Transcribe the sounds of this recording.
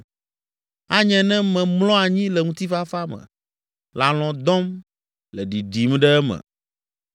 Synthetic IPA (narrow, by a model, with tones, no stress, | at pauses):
a˦ɲɛ̃˨nɛ̃˦mɛ̃˨mlɔ̃˦a˨ɲĩ˦lɛ˨ŋũ˦t̪i˦fa˦fa˦mɛ̰̃˨ | la˨l̃ɔ̃˨d̪ɔ̃˦m | lɛ˨ɖi˨ɖi˨m˦ɖɛ˦ɛ˦mɛ̰̃˨